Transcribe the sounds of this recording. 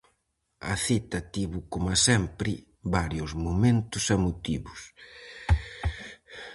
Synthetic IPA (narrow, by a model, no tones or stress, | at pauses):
ɐ̰θit̪ɐt̪iβʊkomasɛmpɾɪ | βaɾjʊzmumẽnt̪ʊsamut̪iβʊs